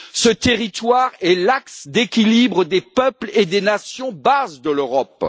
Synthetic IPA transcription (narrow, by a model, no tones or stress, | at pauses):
sət̪eʁit̪waʁɛlaksd̪ekʲilibʁəd̪epœpled̪enasjɔ̃bazd̪əløʁɔp